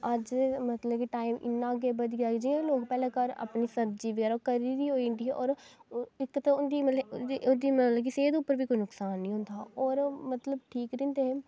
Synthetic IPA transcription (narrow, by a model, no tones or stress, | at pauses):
əd͡ʒmət̪ləbkiːʈaːimʔɪ̰nːãːɡeːbəd̪iaːid͡ʒiːãːloːɡpɛːlẽːkəɾa̰pniːsəɾd͡ʒiːʋəɡɛːɾakəɾid̪iːɦoːiɳʈiːʔɔːɾɪkːt̪aʊnd̪iːmd̪iːmət̪ləbkiːseːd̪ʊpːəɾʋiːkoinʊksaːnːĩːɦʊ̃nd̪aːɔːɾmət̪ləb̚ʈʰiːkɾɪ̃nd̪eːɦeː